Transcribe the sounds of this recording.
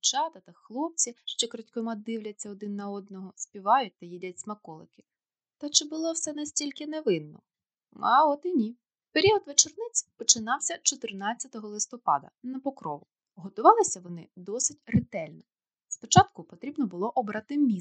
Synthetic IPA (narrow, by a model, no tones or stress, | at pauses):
t͡ʃɑt̪ɐt̪ɐxlˠɔp̚t͡sʲiʃt͡ʃɛkɾɔtʲkɔmɑd̪ɪwlʲɐt͡sʲːɐɔd̪ɪnːɐɔd̪nɔɦɔspʲiʋɑjʊt̚ʲt̪ɐjidʲɐtʲsʲmɐkɔlˠɪkɪ̥ | t̪ɐt͡ʃɪbʊlˠɔwsɛnɐsʲtʲilʲkɪneʋɪnːɔ̰ | aɔt̪ɪnʲi | peɾʲiɔd̪ʋet͡ʃernɪt͡sʲpɔt͡ʃɪnɑwsʲɐt͡ʃɔt̪ɪrnɑt͡sʲːɐt̪ɔɦɔlˠɪst̪ɔpɑ̰d̪ɐ̰nɐpɔkɾɔʋʊ | ɦɔt̪ʊʋɑlˠɪsʲɐʋɔnɪd̪ɔsɪtʲrɪt̪ɛlʲnɔ | spɔt͡ʃɑt̪kʊpɔt̪ɾʲibnɔbʊlˠɔʔɔbɾɑt̪ɪmʲi